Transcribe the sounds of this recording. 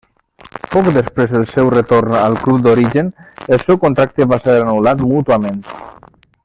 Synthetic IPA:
pɔkd̪əspɾezðəlˠsɛwrət̪oɾnəlˠklup̚d̪oɾiʒənelˠsɛwkont̪ɾak̚t̪eβaseɾanulat̪mut̪uamẽnt̪

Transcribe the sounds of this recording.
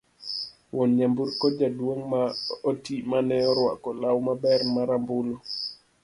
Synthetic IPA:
wɔnɲambuɾkɔd͡ʒadwoŋmaotimanɛɔɾwa̰kɔlawmabɛɾmaɾambulɔ

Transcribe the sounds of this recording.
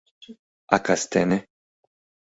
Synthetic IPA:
akast̪ɛne

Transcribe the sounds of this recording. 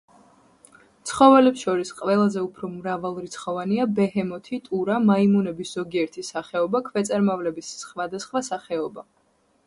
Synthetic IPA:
t̪sʰχɔvɛlɛpsʃɔɾisqʼvɛlˠazɛupʰɾɔmɾavalˠɾit̪sʰχɔvaniabɛhɛmɔt̪ʰit̪ʼuɾamaimunɛbisz̥ɔɡiɛɾt̪ʰisaχɛɔbakʰvɛt̪sʼaɾmavlɛbisːχwad̪asχwasaχɛɔba

